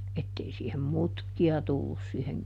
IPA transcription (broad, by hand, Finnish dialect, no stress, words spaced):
etːei siːhem mutkiɑ tulːus siːheŋ